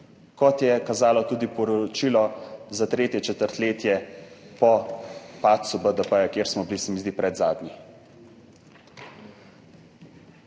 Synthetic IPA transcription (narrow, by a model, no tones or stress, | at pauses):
kɔt̪jɛkazaːlɔt̪uːd̪ipɔɾɔɔt͡ʃilɔzat̪ɾeːt̪jɛt͡ʃɛt̪əɾt̪leːt̪jɛpɔpaːt̪subəd̪əpəjakjeːɾsmɔbilisɛmizd̪ipɾɛd̪zaːd̪ni